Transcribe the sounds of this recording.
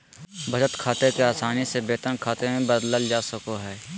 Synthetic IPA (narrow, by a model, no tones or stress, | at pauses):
bʱɐd͡ʒət̪kʰaːt̪ekeaːsaːnisebeːt̪ənkʰaːt̪emẽbəd̪ləld͡ʒaːsəkoɦɛː